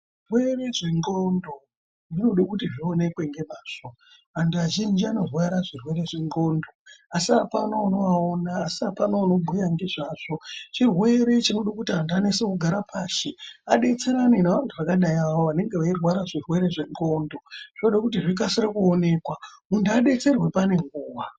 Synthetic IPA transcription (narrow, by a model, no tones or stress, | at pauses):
ʐirwe̞reʐeŋɡo̞ndo | ʐino̞ɗakutiʐione̞kwe̞ŋɡe̞maːʂo̞ | antuaʒind͡ʒiano̞rwaɾaʐirwe̞ɾe̞ʐeŋɡo̞ːndo̞asiapanoano̞aonaːsiapanoano̞bʱujaŋɡeʐaʐ̥o̞t͡ʃirwe̞ɾe̞t͡ʃino̞ɗakutianduanesekuɡʱaɾapʰaːʃiaɗe̞t͡se̞ɾaninaʋantʰuʋakaɗajawoʋane̞ŋɡe̞ʋairwaɾaʐirwe̞ɾe̞ʐe̞ŋɡo̞ːndo̞ʐ̥ino̞ɗakutiʐik̬asiɾakuone̞kwamunduaɗe̞t͡se̞rwe̞pane̞ŋɡuːʋa